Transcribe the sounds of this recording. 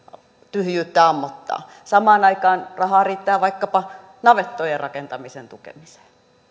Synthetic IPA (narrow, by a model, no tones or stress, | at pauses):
t̪yhjyːt̪ːæɑmːot̪ːɑ̰ː | sɑmɑːnɑikɑːnrɑhɑːriːt̪ːæːʋɑikːɑpɑ | nɑʋet̪ːojerrɑkent̪ɑmisent̪ukḛmise̥ː